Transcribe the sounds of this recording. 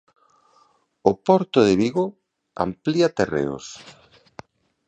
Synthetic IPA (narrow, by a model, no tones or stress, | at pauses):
ʊpɔɾt̪ʊðɪβiɣo | a̰mpliɐt̪erḛo̰s